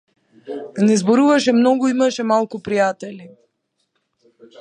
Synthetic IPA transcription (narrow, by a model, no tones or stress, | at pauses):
nɛzbɔɾuvaʃɛmnɔɡoimaʃɛmalˠkupɾijat̪ɛli